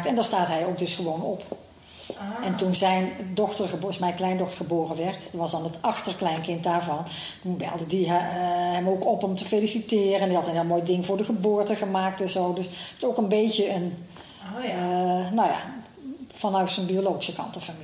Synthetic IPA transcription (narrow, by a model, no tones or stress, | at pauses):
ktɛndɔːstaːtɦɛjowk̚dɵsχəʋownɔp | ɛntunzɛjndɔxtərxəbsmɛjnklɛjndɔxtəɹχəboːrənʋɛɹtʋɑsdɑnətɑxtərklɛjnkɪnt̚daːɹvɑn | tunbɛ̰lˠdədiɦɛmowkɔpɔmtəfejlisitɪːrəndihɑtənɦɪlˠmoːjdɪŋvʊːɹdəɣəbʊːɹtəɣəmaːk̚tɛnzoːdɵsowkənbejtəən | nawja̰ː | fɑnœɥtsənbiolowɣi̥səkɑ̰ntəfami